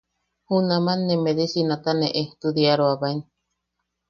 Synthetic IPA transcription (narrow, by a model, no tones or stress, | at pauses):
hunamanːemeðesinat̪aneʔet̪ud̪iaɾoaβain